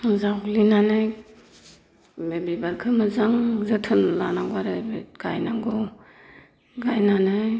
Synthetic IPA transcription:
zawlinanɯj | bebibaɾkʰɯmazaŋzɯtʰɯnlanaŋɡwaɾɯbeɡ̥ajnaŋɡɔ | ɡajnanɯ

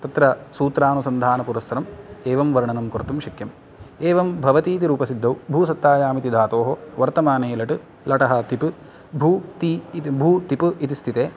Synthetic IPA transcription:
t̪ɐt̪ɾɐsuːt̪ɾaːnusɐnd̪ʱaːnɐpuɾɐsɐɾɐmeːʋɐmʋɐɾɳɐnɐmkoɾt̪umʃɐkjɐm | eːʋɐmbʱɐʋɐt̪iːt̪iɾuːpɐsid̪ʱːɐwbʱuːsɐt̪ːaːjaːmit̪id̪ʱaːt̪oːɦoʋɐɾt̪ɐmaːneːlɐʈɨ | lɐʈɐɦɐt̪ipɨ | bʱuːt̪ibʱuːt̪ipɨit̪ist̪ʰit̪eː

